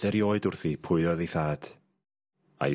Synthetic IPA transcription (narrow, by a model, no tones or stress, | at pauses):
dɛɾjoːɨdʊrθipʰʊɨɔðiθaːd̥ | a̰j